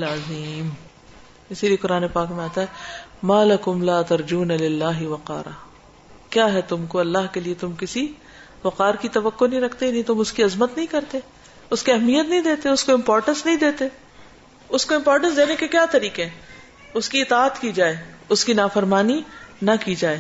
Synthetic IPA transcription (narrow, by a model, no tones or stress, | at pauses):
lɐziːm | ɪsilieqʊɾaːnepaːkmẽaːt̪aɦɛmaːlɐkʊmlaːt̪ɐɾd͡ʒuːnalɪlːaːɦɪʋɐqa̰ːɾa̰ː | kjaːɦɛt̪ʊmkoɐlːaɦkeliet̪ʊmkɪsi | ʋɐqaːɾkit̪ɐʋəqːonɐɦĩɾɐkʰt̪ejɐnɐɦĩt̪̬ʊmʊskiɐzmət̪nɐɦĩkɐɾt̪e | ʊskiɐɦmijət̪nɐɦĩd̪eːt̪eʊskoɪ̃mpɔːɾʈə̃nsnɐɦĩd̪eːt̪e | ʊskoɪ̃mpɔːɾʈə̃ns̬d̪eːnekekjaːt̪ɐɾiːkeɦɛ̃ː | ʊskiɪt̪aːt̪kid͡ʒaːeːʊskinaːfɐɾmaːninɐkid͡ʒaːeː